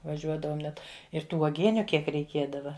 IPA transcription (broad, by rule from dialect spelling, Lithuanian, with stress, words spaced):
ʋɐˈʒʲuɔdɐʋoːm ˈnʲɛt ɪr ˈtuː uɔˈɡʲiɛnʲʊ ˈkʲiɛk rʲɛɪˈkʲiɛdɐʋɐ